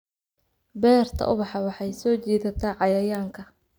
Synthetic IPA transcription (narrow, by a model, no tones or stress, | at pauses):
bɛːrt̪ʰɐ̰ʔʊβɑħɑwɑħɑjsɔːt͡ʃiːðɐt̪ʰaːʕɑjɐjaːŋkʰɐ